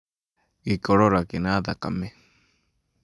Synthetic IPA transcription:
ikoɺoɾakinad̪aka̰me

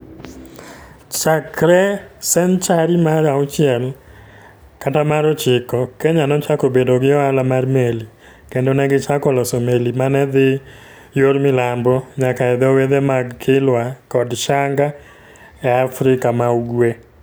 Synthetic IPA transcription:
t͡ʃakɾɛsɛnt͡ʃaɾimaɾaɔt͡ʃɪɛl | katamaɾɔt͡ʃɪkɔkɛɲanɔt͡ʃakobedoɡɪjɔalamarmeli | kendonɛɡɪt͡ʃakɔlɔsomelimanɛðɪ | joɾmɪlambɔɲakaɛðɔweðemaɡkʰɪlwakɔdʃaŋɡa | ɛafɾɪkamauɡwe

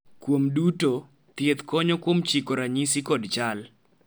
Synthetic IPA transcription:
kwomduto | t̪jet̪kɔɲɔkwomt͡ʃikoɾaɲisikɔdt͡ʃal

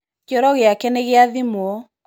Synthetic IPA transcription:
kɔɾɔɣeakɛneɣeaðimwɔ

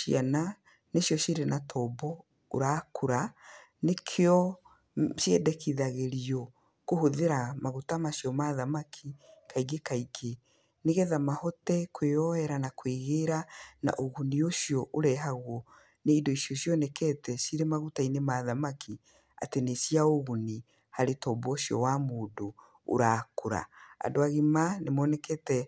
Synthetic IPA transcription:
iana | nesjɔsiɾenatʰɔbɔ | o̰ɾaːkʰoɾa | nekʰeɔ | ʃjɛdɛkʰiðaɣeɾiɔ | kohoðeɾamaɣutamasjɔmaðamakʰikaiɡekaiɡe | neɣɛðamahɔtɛkweɔɛɾanakweɣeɾana̰ʔoɣunioʃiɔʔoɾɛɦaɣwɔ | neidɔisjɔsjɔnɛkɛtɛsiɾemaɣutainemaðamakʰi | a̰tenesiaoɣuni | haɾetɔbɔʃiɔ̰wamoːdo̰ː | ɾaːkoɾa̰a̰doaɣemanemɔnɛkɛtɛ

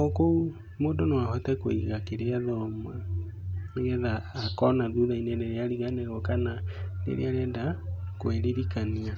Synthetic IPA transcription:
ɔkou | moːdonowahɔtɛkweiɣakeɾeaðɔma | neɣɛðaːkɔnaðuðaineneɾeaɾiɣanɛɣɔkananḛɾḛaɾɛndakweɾeɾikania

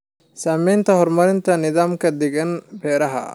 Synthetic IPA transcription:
saːmɛjnt̪ʰɐhɔrmɐɾɪnt̪ʰɐnɪðaːmkʰɐd̪ɛɣɐnbɛːɾɐɦɐ̰

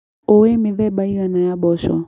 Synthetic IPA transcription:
ɔwɛmiðɛɓaijanajaɓɔʃɔ̰

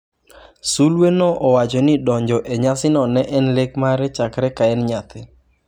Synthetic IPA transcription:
sulwenɔʔɔwad͡ʒɔnɪdɔɲd͡ʒɔʔeɲasɪnɔnɛʔɛnlekmaɾɛt͡ʃakɾɛkaɛnɲat̪ɪ

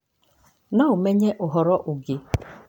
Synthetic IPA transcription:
naʊmeɲeʔʊɦɔɾɔʔʊɡɪ

